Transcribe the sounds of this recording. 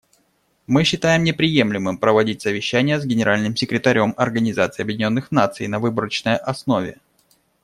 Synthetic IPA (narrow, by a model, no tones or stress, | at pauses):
mɨɕːɪt̪ajɪmnʲɪpɾʲɪje̞mlʲɪmɨmpɾəvɐdʲit̚ʲsəvʲɪɕːænʲɪjəzɡʲɪnʲɪɾalʲnɨmsʲɪkɾʲɪt̪ɐɾʲo̞mɐrɡənʲɪzat̪sɨiːɐbjɪdʲɪnʲo̞nːɨxnat̪sɨ̰jnɐvɨbəɾət͡ɕnəjʔɐsno̞vʲɪ̰